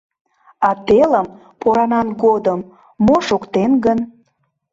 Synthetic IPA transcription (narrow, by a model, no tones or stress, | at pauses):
ɑt̪eləm | poɾɑnɑnɡod̪əmː | oʃokt̪enɡən